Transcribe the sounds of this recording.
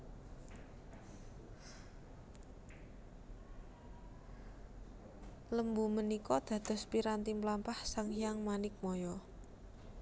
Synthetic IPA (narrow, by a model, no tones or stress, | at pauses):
ləmbumənikɔd̪̥ä̤d̪̥ɔ̤spiɾant̪implampahsaŋijaŋmanɪk̚mɔjɔ